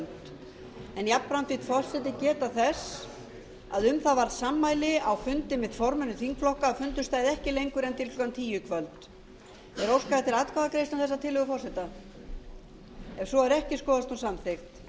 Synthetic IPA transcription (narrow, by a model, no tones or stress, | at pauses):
nt̪ | ɛnjapɾant̪it̪fɔr̥sɛt̪ɪcɛːt̪aθɛs | a̰ðʏmθavaɾðsamːaːjlɪawfʏnt̪ɪmɪðfɔɾmɛnʏθiŋkflɔhkaːfʏnt̪ʏst̪aːjðɛhcɪlejŋkʏɾɛnt̪ʰɪlk̪lʏkant̪ʰiːjʏkʰvœlt̪ | ɛɾowskaðat̪ʰɪɾaːt̪̚kʰvaðakɾeːjst̪awθɛsːat̪ʰɪlʏɣʏfɔr̥sɛt̪a | ɛv̥sɔaɾɛhcɪskɔːðast̪unsamθext̪